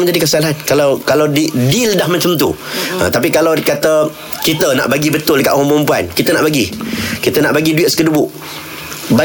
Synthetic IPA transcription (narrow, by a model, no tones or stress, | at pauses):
məɲd͡ʒadikəsalaɦankalawkalawdidildahmat͡ʃəmt̪̬ṵ | ə̰t̪apikalawkat̪ə | kit̪əna̰ʔbaɡibət̪ʊldəkaʔ̪umpəɾumpua̰nkit̪əna̰ʔbaɡikit̪ənaʔbaɡiduɪʔ̪skədubʊʔ | ba